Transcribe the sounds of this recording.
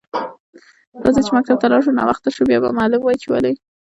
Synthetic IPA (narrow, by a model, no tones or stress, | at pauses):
d̪ɑzet͡ʃemak̚t̪ab̚t̪alɑʂunɑ̰waxt̪aʃubjɑba̰mɑlumwɑjt͡ʃɪwa̰lej